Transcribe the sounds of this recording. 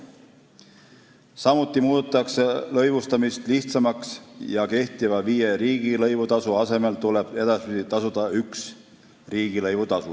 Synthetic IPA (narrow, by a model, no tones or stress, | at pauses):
sɑmut̪ːˑimuːd̪̥ut̪ːˑɑkse̞lɤjvust̪ɑmist̪liht̪sɑmɑksjɑke̞ht̪ivɑviːjeɾiːɡ̥ilɤjvut̪ɑsuɑse̞me̞lt̪ule̞b̥e̞d̪ɑspid̪it̪ɑsud̪̥ɑyks | riːɡ̥ilɤjvut̪ɑsu